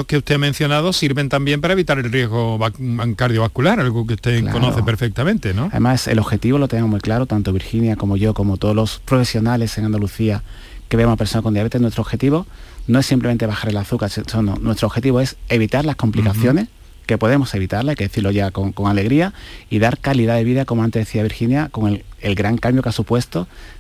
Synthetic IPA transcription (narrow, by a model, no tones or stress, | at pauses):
okeust̪eamẽn̟θjo̞nað̞o̞siɾβent̪ambje̞mpaɾaeβit̪aɾe̞lrje̞ɣo̞βŋkaɾðjoβakulaɾalɣuk̬eust̪ekl̰konoθepeɾfek̚t̪amẽnt̪enoaðemasḛlo̞xe̞t̪iβo̞loenemoɦmuijklaɾot̪ant̪oβ̞iɾxinjako̞mo̞ʝo̞ko̞mot̪oðolo̞spɾo̞fe̞sjo̞nale̞seŋand̪aluθia | ke̞βamopeso̞nakojaβet̪e̞nwet̪ɾoxe̞t̪iβo̞no̞e̞sːimple̞ment̪e̞β̞axaɾe̞laθukaɾssono̰nwe̞st̪ɾoxe̞t̪iβo̞e̞se̞β̞it̪aɾlasko̞mplikaθjo̞ne̞s | ke̞po̞ðe̞mo̞se̞βit̪aɾlajke̞ðe̞θiɾlo̞ʝakoŋko̞ŋale̞ɣɾiaiðaɾkaliðaðe̞β̞iðako̞moant̪e̞zðeθiaβiɾxinjako̞ŋeelɡɾaŋkambjokasupwe̞st̪o̞